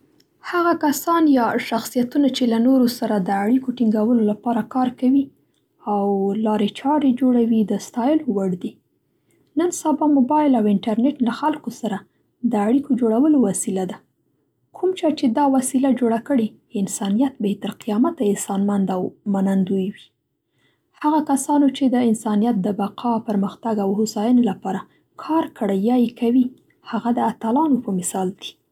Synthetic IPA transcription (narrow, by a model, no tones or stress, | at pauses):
haɣakasɑnjɑʃaxsijat̪unat͡ʃelanoɾosaɾad̪əaɽikoʈiŋɡawəlolapɑɾakɑɾkawi | awlɑɾet͡ʃɑɾed͡ʒoɽawid̪əst̪ɑjɪlowaɽd̪i | nənsabamobɑjɪlawɪɳʈaɾneʈlaxalkosaɾa | d̪əaɽikod͡ʒoɽawəlowasilad̪a | kʰumt͡ʃɑt͡ʃed̪ɑwasilad͡ʒoɽakəɽe | ɪnsɑnijat̪̚bet̪aɾqijɑmat̪aɪnsɑnmand̪awmanand̪ujwi | haɣakasɑnot͡ʃed̪əɪnsɑnijat̪̚d̪əbaqʰɑpəɾməxt̪aɡawhʊsɑjənelapɑɾa | kʰɑɾkəɽajɑjekʰawi | haɣad̪əat̪alɑnopəmɪsɑld̪i̥